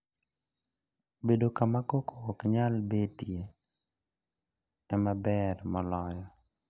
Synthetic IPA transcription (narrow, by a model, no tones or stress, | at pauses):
bedokamakokʰokɲalbetje | ɛmabɛrmɔlɔjɔ